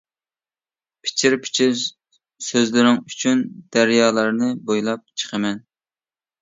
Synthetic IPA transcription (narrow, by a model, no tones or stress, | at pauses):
pʰɪ̥t͡ʃʰiɾpʰɪ̥t͡ʃʰɪɾ | søzlɪɾɪŋyt͡ʃʰynd̪̥æɾjɑːlˠɑɾnɨbojlˠɑp̚t͡ʃʰə̥qʰəmɛn